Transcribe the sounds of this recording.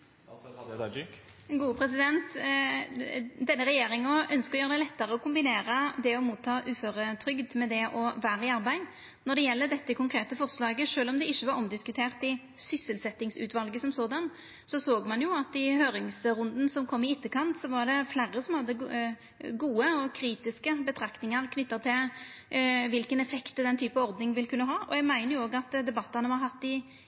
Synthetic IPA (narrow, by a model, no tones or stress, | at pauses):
ɡuːəpʰɾɛsɪd̪ɛnt̪ | d̪ɛnːəɾɛjeːɾɪŋɔœnskəɔjøːʁəd̪ɛɪlɛt̪ːəɾəɔkʰʊmbɪneːɾəd̪ɛɔmuːt̪ʰːɑːʔʉːføːɾət̪ʰɾʏɡd̪mɛd̪ɛʔɔʋæːɾəɪɑɾbæɪ | nɔɖ̪ɛjɛlːəd̪ɛt̪ːəkʰʊŋkʰɾeːt̪əfɔʁslɑːɡəʂøːlɔmd̪ɛɪçːəʋɑɾɔmd̪ɪskʉt̪ʰeːʁt̪ɪ | sʏsəlsɛt̪ːɪŋsʉ̰ːʋɑlɡəsɔmsoːd̪ɑn | sɔsoːɡmɑnjʊɑt̪ɪhøːɾɪŋsɾʊnd̪n̩sɔmkʰɔmːɪɪt̪ːəkʰɑnt̪sɔʋɑʁɖ̪ɛflæːɾəsɔmhɑd̪ːə | ɡuːəɔkʰɾiːt̪ɪskəbət̪ʰɾɑkt̪ɪŋəʁkʰnʏt̪ːɑt̪ʰɪl | ʋɪlkənɛfɛkt̪əd̪ɛnt̪ʰyːpəɔɾd̪nɪŋʋɪlkʰʉnːəɦɑːʔɔ̰ɛɡmæɪnəjʊoːɡɑt̪d̪ɛbɑt̪ːɑnəʋɑɾɦɑt̪ːɪ